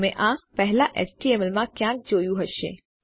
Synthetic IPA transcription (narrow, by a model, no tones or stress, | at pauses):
mẽʔãpɛɦlaʔḛt͡ʃʈiemɛlmãkjãːk̚d͡ʒoːjũɦəʃḛ